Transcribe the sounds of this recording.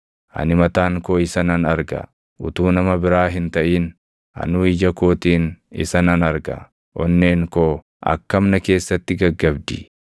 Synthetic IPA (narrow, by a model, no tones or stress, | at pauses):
ʔɐ̰nɪmɐt̪aːŋkoːɪsɐnɐnɐɾɡɐ̰ | ʊt̪uːnɐmɐbɪɾaːɦɪnt̪ɐʔiːn | ɐ̰nuːɪd͡ʒɐkoːt̪iːnɪ̰sɐnɐnɐɾɡɐ̰ | ʔɔnːeːŋkoː | ʔɐ̰kːɐmnɐke̞ːsːɐt̪ːɪɡɐɡːɐbd̪i